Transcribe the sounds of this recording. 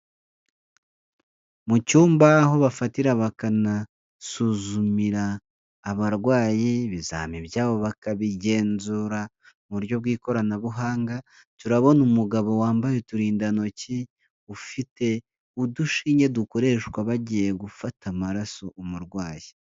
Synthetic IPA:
mucuːmbaɦo̞βafatiɾaβakana | suːzumiɾaː | βaɾɡwaːjiβiza̰ːmibjaːβo̞βakaβiɟe̞ːnzuɾa | muɾjo̞bɡiːko̞ɾanaβuɦaːŋɡa | tuɾaβo̞numuɡaβo̞waːmbajetuɾiːndano̞ci | ufite̞ | uduʃiːɲe̞duko̞ɾe̞ːʃkwaβaɟije̞ɡufatʰamaɾaso̞ʔumuɾɡwaːji

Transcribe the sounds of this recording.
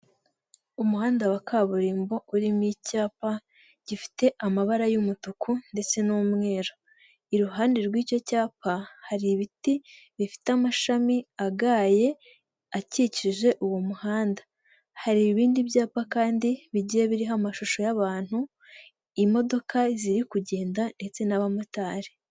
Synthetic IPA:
umuhaːndawakʰaβuɾiːmbo̞uɾimicaːpa | ɟ̥ifi̥te̞ʔamaβaɾajumutukunde̞t͡se̞nuːmŋe̞ːɾo | iɾuɦaːndeɾɡwiːco̞caːpahaɾiːβiti | βifi̥teamaʃamiaɡaːje̞ | aciciiʒe̞ʔuwo̞muhaːnda | haɾiβiːndiβjaːpakaːndiβiɟijeβiɾiɦamaʃuʃo̞jaβaːn̥hu | imo̞do̞kaziɾikuɟe̞ːndande̞t͡se̞naβamutaːɾe

